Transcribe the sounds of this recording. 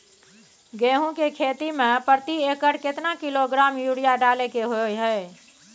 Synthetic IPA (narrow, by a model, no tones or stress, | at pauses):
ɡeɦũkekʰet̪imepəɾt̪iekəʈket̪nakiloɡɾamjuɽijaɖalekeɦojɦəj